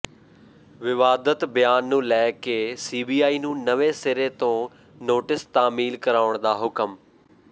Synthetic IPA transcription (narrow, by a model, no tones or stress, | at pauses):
ʋɪʋaːd̪ət̪bəjaːnːũːlɛːkesiːbiːaːiːnũːnəʋesɪɾet̪õː | noːʈɪst̪aːmiːlkɐɾaːʋəɽ̃d̪aːɦʊkəm